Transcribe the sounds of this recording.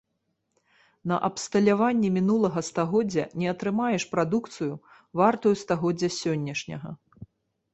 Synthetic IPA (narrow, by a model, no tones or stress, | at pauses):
nɐ̰ʔɐpst̪ɐlʲavanʲːɛmʲinulˠɐɣɐst̪aɣɔd͡zʲːɐ̰nʲɛɐt̪ɾɨmajɛʂpɾad̪ukt̪sɨju | vart̪ujust̪aɣɔd͡zʲːɐsʲɔnʲːɐʂnʲɐ̰ɣɐ̰